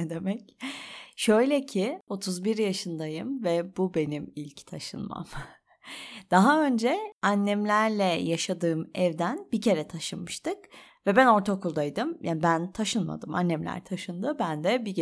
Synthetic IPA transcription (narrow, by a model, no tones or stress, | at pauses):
d̪emɛc | ʃø̞jlʲɛcʰɪo̞t̪ʰuzbiɾjaʃɯnd̪ajɯmvɛbube̞nimilʲct̪ʰaʃɯ̰nma̰m | d̪̥aɦaø̞nd͡ʒɛanːɛmlʲæɾlʲɛjaʃad̪ɯːmɛvd̪ænbicʰe̞ɾɛt̪ʰaʃɯnmɯʃt̪ʰɯkvɛbæno̞ɾt̪ʰakʰulˠd̪ajd̪ɯmjʔanbænt̪ʰaʃɯnma̰d̪ɯma̰nːɛmlʲæ̰ɾt̪ʰaʃɯnd̪ɯbænd̪ɛbi